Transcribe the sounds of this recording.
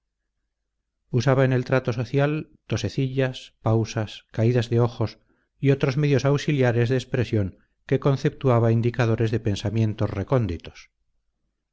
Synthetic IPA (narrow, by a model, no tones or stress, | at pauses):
usaβaene̞lt̪ɾat̪o̞so̞θjalt̪o̞se̞θiʎaspawsaskaiðazðeo̞xo̞s | io̞t̪ɾo̞zme̞ðjo̞sawsiljaɾe̞zðeːspɾe̞sjo̞ŋ | ke̞ko̞nθe̞p̚t̪uaβaind̪ikaðo̞ɾe̞zðe̞pe̞nsamje̞nt̪o̞zreko̞nd̪it̪o̥s